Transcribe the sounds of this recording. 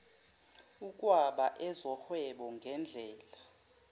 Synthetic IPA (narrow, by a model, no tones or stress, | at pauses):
uk̬ʼwaɓaʔɛzɔhwɛɓɔŋɡʱɛnd͡ɮʱɛːla